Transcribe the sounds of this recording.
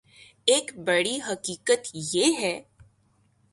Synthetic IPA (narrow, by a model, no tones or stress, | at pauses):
eːkbɐɽiɦɐkiːkət̪jeɦɛː